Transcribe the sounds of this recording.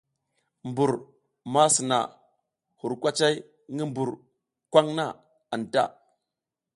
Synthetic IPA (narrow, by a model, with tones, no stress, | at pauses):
mbu˨ɾ | ma˦si˨na̰˨ | hu˨ɾkʷa˦t͡ʃa˦j | ŋi˦mbu˨ɾ | kʷwa˦ŋna˦˨ | a˨nta̰˦˨